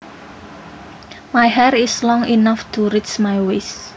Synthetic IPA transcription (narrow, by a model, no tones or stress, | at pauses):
majɦɛrislɔŋinaft̪ʰuɾit͡ʃmajwes